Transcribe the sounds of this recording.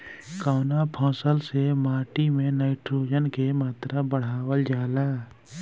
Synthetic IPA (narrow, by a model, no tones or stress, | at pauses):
kaːnapʰɔ̃ːsəlsemaːʈimẽnaːɪʈʰɾoːd͡ʒənkemaːt̪ɾabəɽ̤aːwəld͡ʒaːlaː